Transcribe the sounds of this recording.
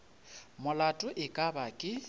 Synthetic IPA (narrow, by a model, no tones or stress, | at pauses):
mʊlatʼʊʔɪkʼabakʼɪ